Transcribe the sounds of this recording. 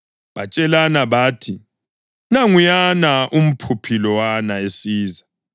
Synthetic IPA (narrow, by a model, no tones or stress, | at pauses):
βat͡ʃʼɛlanaβaːtʰi | naŋujanaʔum̩pʰupʰilɔwanaesiːza